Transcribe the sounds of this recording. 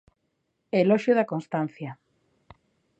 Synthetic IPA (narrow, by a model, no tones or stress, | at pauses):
elɔʃjoðɐkonst̪an̟θjɐ